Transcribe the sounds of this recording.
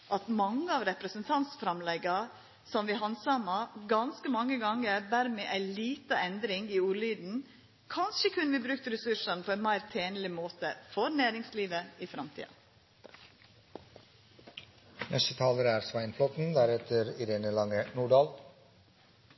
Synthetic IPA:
ʔɑt̪mɑŋːəɑːʋɾɛpɾəsənt̪ʰɑnt̪sfɾɑmlɛɡɑ | sɔmʋɪːɦɑnsɑmɑɡɑnskəmɑŋːəɡɑŋːəɾd̪æɾmeːʔæɪliːt̪əɛnd̪ɾɪŋiːuːɾlyːd̪n̩ | kʰɑnʃəkʰʉnʋiːbɾʉk̚t̪əɾɛsʉʂɑnəpʰoːæɪnmæɪɾt̪ʰeːnəlɪmoːt̪əfɔɾnæːɾɪŋsliːʋəifɾɑmt̪ʰḭːɑ̰ | nɛst̪ət̪ʰɑːləɾəæːɾsʋæɪnflɔt̪n̩d̪æɾɛt̪ʰəɾɪɾeːnəlɑŋənuːɖɑːl

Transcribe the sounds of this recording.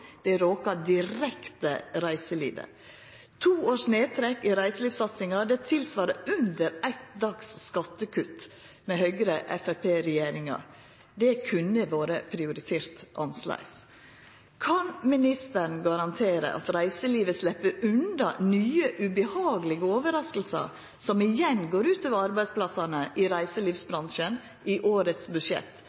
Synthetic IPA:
d̪̥ɛɾoːkɑd̪ɪɾɛkt̪əɾæɪsəlḭːʋə̰ | t̪ʰuːoːʂneːt̪ʰɾɛkːɪɾæɪsəliːʋsɑt̪sɪŋɑd̪ɛt̪ʰɪlsʋɑːɾəʉnd̪əɾæɪt̪̚d̪ɑksːkɑt̪ːəkʰʉt̪ː | mɛhœʏɡɾəʔɛ̰fæpʰeːɾɛjeːɾɪŋɑ̰ | d̪ɛkʰʉnəʋoːɾəpʰɾɪʊɾɪt̪ʰeːɾt̪ʔɑnslæ̰ɪs | kʰɑnmɪnɪst̪ənɡɑɾɑnt̪ʰeːɾə̰ʔɑ̰t̪ɾæɪsəliːʋəslɛpːəɾʉnd̪ɑnyːəʔʉbəhɑːɡəlɪɡəoːʋəɾɑskəl̩sɑ̰ | sɔmɪjɛnɡoːɾʉːt̪øːʋəɑɾbæɪd̪spʰlɑsɑnəʔɪɾæɪsəliːfsbɾɑnʂən | ʔɪʔoːɾət̪sbʉʂɛ̰t̪ː

